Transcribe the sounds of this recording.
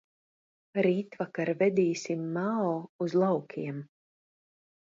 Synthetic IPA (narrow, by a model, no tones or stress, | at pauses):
ɾiːt̪vakaɾvɛd̪iːsʲimːaɔːuzlˠawkʰʲiɛm